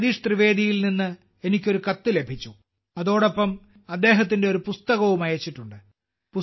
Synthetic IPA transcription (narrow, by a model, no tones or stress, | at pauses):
ðiʂt̪riʋe̞ːd̪ijilninːɨ | e̞nikʲːo̞ɾukɐt̪ːɨle̞bʱit͡ɕːu | ɐðo̞ːɽopːɐm | ɐd̪ːe̞ːɦɐt̪̬ːinde̞oɾupust̪ɐɣɐʋumɐjɐt͡ɕːiʈːuɳɖɨ | pu